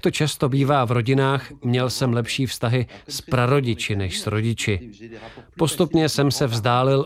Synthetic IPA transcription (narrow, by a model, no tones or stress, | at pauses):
k̚t̪ot͡ʃast̪o̞biːvaːvɾo̞ɟɪnaːxmɲɛlsɛmlɛpʃiːfst̪aɦɪspɾaɾo̞ɟɪt͡ʃɪnɛʃsɾo̞ɟɪt͡ʃɪ | po̞st̪upɲɛsɛmsɛvzdaːlɪl